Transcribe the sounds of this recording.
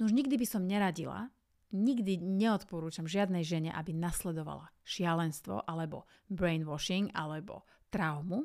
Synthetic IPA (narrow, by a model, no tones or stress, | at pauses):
nuʒɲiɡd̪ibisɔmɲɛɾaɟila̰ | ɲiɡd̪iɲɛɔt̪pɔɾuːt͡ʃamʒɪad̪nɛjʒɛɲɛʔabinaslɛd̪ɔʋa̰laʃɪalɛnst̪ʋɔ̰ʔalɛbɔ̰ | bɾɛjnʋɔʃiŋɡa̰lɛbɔ̰ | t̪ɾaʊmu